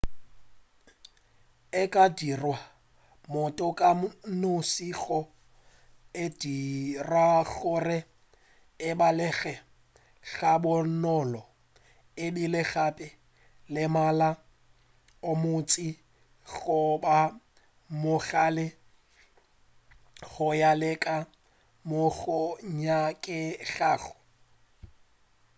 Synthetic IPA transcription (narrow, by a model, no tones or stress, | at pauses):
ɪkʼadirwa | mʊtʼɔkʼanʊsiɣɔ | ed̥irwaɣʊrɛ | ɪbalɛɣɛ | ɣabʊnɔlɔ | ɪdilɪɣapʼɪ | lɪmala | ʊmʊt͡sʼi | ɣʊba | mʊɣaːlɪ | ɣʊjalɛkʼa | mʊɣʊɲakʼɪɣaːɣʊ